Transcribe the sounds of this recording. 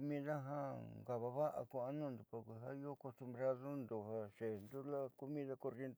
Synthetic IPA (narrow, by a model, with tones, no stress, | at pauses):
mĩ˦ða˦ɦã˦ŋɡa˨βa˧βa˦ʔa̰˧ku˧a˧nũ˦˨nd̪u˨˧pa˧kʷi˧ɦa˦i˦o˦ko˧st̪u˧mbɾa˦ðo˦nd̪o˨˧ɦa˧ʃe˨nd̪u˦la˦ku˧mĩ˦ða˧ko˧rje˧nt̪